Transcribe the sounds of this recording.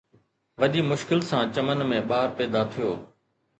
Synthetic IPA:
ʋɐɗiːmʊʃkɪlsãːt͡ɕɐmənmẽːɓaːɾpɛːd̪at̪ʰɪjoː

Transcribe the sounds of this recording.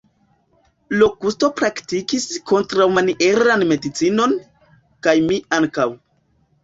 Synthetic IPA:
lo̞kusto̞pɾaktikisko̞ntɾawmaniʔe̞ɾanme̞dit͡sino̞n | kajmiaŋkaw

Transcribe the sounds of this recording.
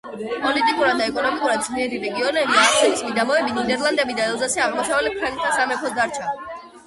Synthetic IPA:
pʼɔlit̪ʼikʼuɾad̪ːaɛkʼɔnɔmikʼuɾad̪̚zliɛɾiɾɛɡiɔnɛbiasʰɛlismid̪amɔɛbinid̪ɛɾlˠand̪ɛbid̪aɛlˠzasɛaʁmɔʃavɛlɛp̚kʰant̪ʰasamɛkʰɔsd̪aɾt͡ʃʰa

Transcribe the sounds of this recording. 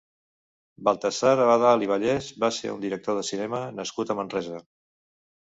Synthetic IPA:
balˠt̪əsaɾəβaðaːliβ̞əʎɛzbasḛṵnd̪iɾək̚t̪oðəsinɛmənəskut̪əmənrɛzə

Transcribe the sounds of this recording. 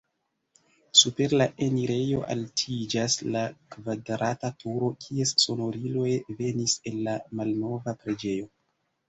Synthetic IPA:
supe̞ɾlaʔeniɾe̞jo̞ʔa̰ltʰid͡ʒaslakvadɾatatʰuɾo̞kʰie̞sso̞no̞ɾilo̞jve̞nise̞nːamalno̞vapɾe̞d͡ʒe̞jo̞

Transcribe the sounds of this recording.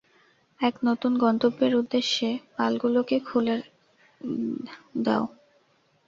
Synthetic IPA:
ɛknot̪unɡɔnt̪obːeɾud̪ːeʃːepalɡulokekʰule | d̪ɛ̰o

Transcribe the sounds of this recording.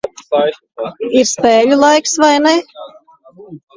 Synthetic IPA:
iɾspeːʎʲulˠajksvajnɛ

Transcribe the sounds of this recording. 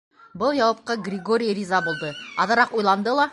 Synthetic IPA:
bɤlˠjɑwɑp̚qɤɡrʲɪɡoɾʲijrʲizɑbulˠd̪ɤɑðɤ̆ɾɑqujlˠɑnd̪ɤlˠɑ

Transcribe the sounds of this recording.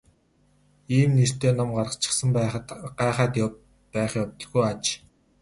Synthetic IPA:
iːmnir̥t̪eːnɔmɢaɾə̆qt͡ɕɪ̥̆sə̆mɢæːχaːt̪ | pæːχjɔwt̪ə̆ɮɣujat͡ɕ

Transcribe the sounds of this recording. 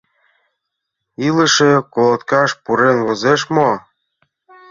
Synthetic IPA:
ilə̆ʃĕkolɤ̆t̪kɑʃpuɾenβɤ̆zeʃmo

